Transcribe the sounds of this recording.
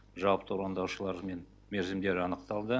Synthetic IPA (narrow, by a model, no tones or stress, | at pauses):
ʒɑwəpt̪əɾɑnd̪ɑwʃəlˠɑɾme̞n | meɾzɪmd̪e̞ɾɪɑnəqt̪ɑlˠd̪ə